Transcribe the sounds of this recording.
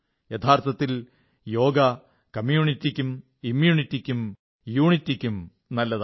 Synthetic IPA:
jet̪ʰaːrt̪ʰɐt̪ːil | jo̞ːɡɐ | kɐmjuːɳitːikʲːum | imjuːɳitːikʲːum | juːɳitːikʲːum | nɐlːɐð

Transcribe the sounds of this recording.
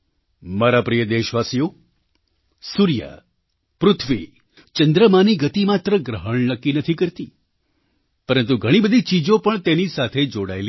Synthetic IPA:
maɾapɾijəd̪eʃʋasijo | suɾija̰ | pɾʊt̪ʰʋi | t͡ʃənd̪ɾəmaniɡət̪imat̪ɾəɡɾəɦəɳnəkːinət̪ʰikəɾt̪i | pəɾənt̪̬uɡʱəɽ̃ibəd̪ʱit͡ʃid͡ʒopəɳt̪enisat̪ʰed͡ʒoɽa̰eli

